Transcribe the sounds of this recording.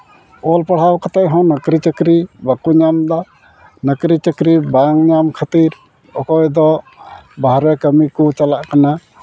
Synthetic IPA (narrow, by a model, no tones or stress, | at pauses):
ɔlpaɽ̤awkat̪aʔɦɔ̃nəkɾit͡ʃəkɾibakuɲamd̪a | nəkɾit͡ʃəkɾibaŋɲamkʰat̪iɾ | ɔ̰kɔjd̪ɔ | baɦɾɛkəmikɔt͡ʃalaʔkana